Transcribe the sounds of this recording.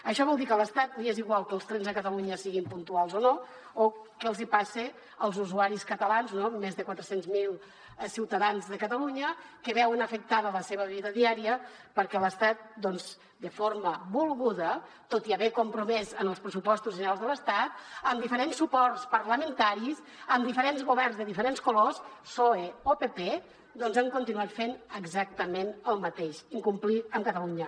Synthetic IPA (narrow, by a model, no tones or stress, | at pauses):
əʃɔβɔlˠd̪ikələst̪at̪̚nieziɣwalˠkəlˠst̪ɾɛnzðəkət̪əluɲəsiɣimpunt̪ualˠzono | okəəlˠzipase | əlˠzuzuaɾiskət̪əlanznomːezðəkwat̪ɾəsenzmilˠ | siwt̪əðanzðəkət̪əluɲəkəβɛwənəfək̚t̪aðələseβəβ̞iðəðiaɾiəpəɾkɛləst̪at̪̚d̪ɔnz | d̪əfoɾməbulˠɣuðə | t̪ot̪iəβekumpɾumɛzənəlˠspɾəsupɔst̪uzʒənɾalˠzðələst̪at̪̚əmd̪ifəɾensːupɔrtspəɾləmənt̪aɾis | əmd̪ifəɾenzɣuβɛrnzðəðifəɾenskulossoeopepe | d̪ɔnzaŋkunt̪inuat̪fenəɡzak̚t̪əmenəlˠmət̪eʃiŋkumpliəmkət̪əluɲə